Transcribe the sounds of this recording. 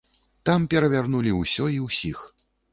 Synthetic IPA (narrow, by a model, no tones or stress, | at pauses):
t̪ampʲɛɾɐvʲarnulʲiwsʲɔiwsʲix